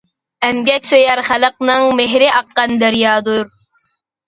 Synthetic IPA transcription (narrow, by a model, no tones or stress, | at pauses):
ɛmɡʲɛkʲsøjæɾχæləqnɨŋmeɦɾɪʔɑqːɑnd̪æɾjɑːd̪uɾ